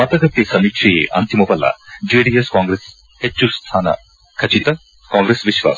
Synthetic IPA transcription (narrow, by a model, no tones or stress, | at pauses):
mɐt̪ɐɡɐt̪ːesɐmikʂeḛʔɐ̰nt̪imupɐlɐ̰d͡ʒeːɖiːeskaːŋɡɾes | het͡ʃːuɾst̪ʰaːnɐ̰ | kʰɐt͡ʃit̪ɐ | kãːŋɡɾesʋiʃʋa̰s